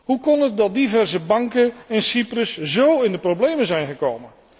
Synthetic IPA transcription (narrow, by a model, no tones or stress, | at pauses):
ɦukɔnət̚dɑt̚divɛɹzəbɑŋkəɛnsiprəszowɪndəprowblejmənzɛjnχəkowmən